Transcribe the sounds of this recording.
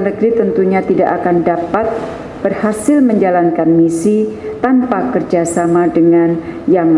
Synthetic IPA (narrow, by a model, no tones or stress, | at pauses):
nəɡɾit̪ənt̪uɲat̪ida̰ʔakandapat̪̚ | b̥ərhasɪlməɲd͡ʒalankanmisit̪ampakərd͡ʒasamadəŋan | jaŋ